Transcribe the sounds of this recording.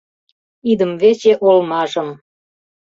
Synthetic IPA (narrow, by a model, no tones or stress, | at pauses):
id̪əmvet͡ɕeʔolmɑʒə̆m